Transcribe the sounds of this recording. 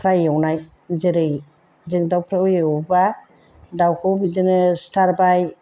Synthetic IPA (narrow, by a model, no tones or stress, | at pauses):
pʰɾajawnaj | zɯɾɯj | zɯŋdawpʰɾajɯjeɔba | dawkʰɯwbidɯnɯstaɾbaj